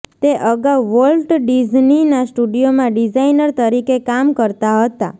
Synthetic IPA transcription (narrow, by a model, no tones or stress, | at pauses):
t̪eʔəɡawʋəlʈɖid͡ʒninasʈuɖijomãɖid͡ʒainəɾt̪əɾikekamkəɾt̪aɦət̪a